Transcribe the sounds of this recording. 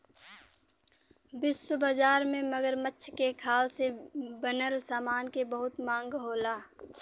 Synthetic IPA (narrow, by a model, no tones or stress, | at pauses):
bɪsːʊbaːd͡ʒaːɾmẽmɐɡəɾmətːʃʰkekʰaːlsebənəlsaːmaːnkebəɦʊt̪mãːŋɡɦoːlaː